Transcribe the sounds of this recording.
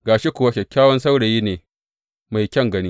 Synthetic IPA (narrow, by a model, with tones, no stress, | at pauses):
ɡaː˨ʃe˦kʷʊ˨wa˦kʲɐ˨kʲːaː˦wɐ˦nsa˦wɽe˨jiː˦neː˨ | ma˨jkʲɐ˦˨ŋɡɐ˦ni˦